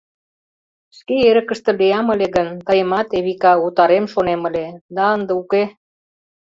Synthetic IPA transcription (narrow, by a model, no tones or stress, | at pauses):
ʃkeeɾə̆kə̆ʃt̪ə̆lejɑmə̆leɣənt̪ɑjəmɑt̪eβikɑut̪ɑɾemʃonemə̆lʲed̪ɑənd̪əuke